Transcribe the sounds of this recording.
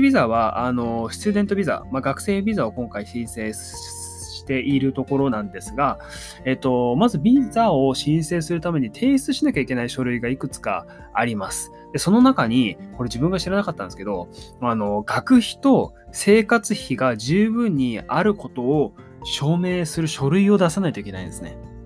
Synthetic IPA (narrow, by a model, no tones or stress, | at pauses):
bʲizaβ̞aʔa̰no̞ɕi̥t͡sɨd̪e̞nt̪o̞bʲiza̰maɡakɯ̟̥se̞ːbʲizao̞kõ̞ŋkaiɕĩse̞ː | ɕi̥t̪e̞ʔiɾɯ̟t̪o̞ko̞ɾo̞nãnd̪e̞sɨɡa | e̞t̪ːo̞mazɨbʲizao̞ɕĩɰ̃se̞ːsɨɾɯ̟t̪ame̞ɲ̟it̪ʰe̞ːist͡sɨɕinakʲaikʲe̞naiɕo̞ɾɯ̟iɡaikɯ̟t͡sɨ̥ka̰ː | ɾʲimasɨ̥ | d̪̥e̞so̞no̞nakaɲ̟iko̞ɾe̞d͡ʑibɯ̟ŋɡaɕiɾanakat̪ːã̰nd̪eske̞d̪o̞ | ano̞ɡ̥akɯ̟çi̥t̪o̞ | se̞ːkat͡sɨçiɡaʑɨːbɯ̟̃ɲ̟ːiaɾɯ̟ko̞t̪o̞ː | ɕo̞ːme̞ːsɨɾɯ̟ɕo̞ɾɯ̟io̞d̪asanait̪oike̞na̰ḭ̃nd̪e̞sɨne̞̰